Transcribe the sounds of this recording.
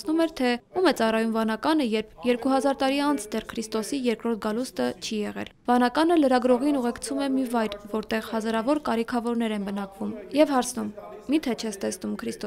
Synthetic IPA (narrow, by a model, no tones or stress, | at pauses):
numɛɾt̪ʰɛumɛt͡sɑrɑjumvɑnɑkɑnəjɛɾpʰjɛɾkuhɑzɑɾt̪ɑɾiɑnt͡sʰd̪ɛrkʰɾist̪ɔsijɛɾkɾɔɾt̪ʰɡɑlust̪ət͡ʃʰijɛʁɛ̰lvɑnɑkɑnələɾɑɡɾɔʁinuʁɛkt͡sʰumɛmivɑjɾvɔɾt̪ɛʁhɑzɑɾɑvɔɾkɑɾikʰɑvɔɾnɛɾɛnbən̪ɑkvumjɛvhɑɾt͡sʰnumːit̪ʰɛt͡ʃʰɛst̪ɛsnumkʰɾist̪ɔ